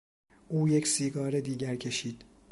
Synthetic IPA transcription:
ʔuːjecʰsiːɡɒːɾed̪iːɟæɾcʰe̞ʃiːd̪̥

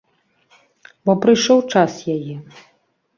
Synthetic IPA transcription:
bɔpɾɨjʂɔwt͡ʂasjajɛ

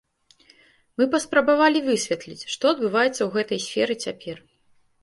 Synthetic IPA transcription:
mɨpɐspɾɐbavalʲivɨsʲvʲɛt̪lʲit͡sʲʂt̪ɔɐd̪̚bɨvajɛt̪sːɐwɣɛt̪ɐjsʲfʲɛɾɨt͡sʲapʲɛr

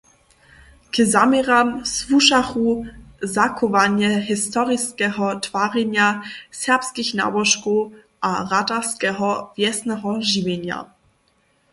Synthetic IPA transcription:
kəzamɛʁamsvuʃaxuzakɔvaɲjɛɦɪst̪ɔʁɪskɛɦɔt̪v̥aːʁɛɲjasɛpskixna̰bɔʃkɔ | ʔarataskɛɦɔvjɛsnɛɦɔʒivjɛɲja̰

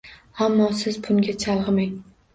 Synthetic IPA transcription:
amːɒsɪzbʊŋɡʲat͡ʃʰalˠʁɨmaŋ

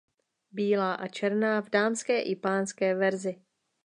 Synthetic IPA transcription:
biːlaːʔat͡ʃɛɾnaːvdaːmskɛːʔɪpaːnskɛːvɛɾzɪ

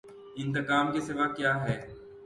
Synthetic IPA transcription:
ɪ̃nt̪̬ɪkaːmkesɪʋakjaːɦɛː

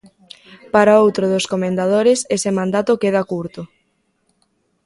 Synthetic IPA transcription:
paɾaowt̪ɾoðoskomẽnd̪aðoɾɪsesemãnd̪at̪okeðakuɾt̪o

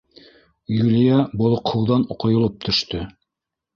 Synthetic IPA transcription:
julijæbolˠŏqhŏwðɑnoqŏjŏlˠɤp̚t̪ʰɵ̆ʃt̪ɵ

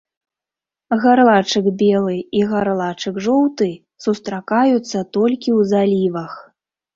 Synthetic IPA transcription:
ɣaɾlˠat͡ʂɨɡbʲɛlˠɨiɣaɾlˠat͡ʂɨɡʐɔwt̪ɨ | sust̪ɾakajut̪sːɐt̪ɔlʲkʲiwzalʲivɐx

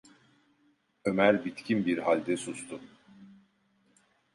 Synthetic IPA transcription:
ømæɾbit̪cʰinbiɾhalʲd̪ɛsust̪ʰʊ

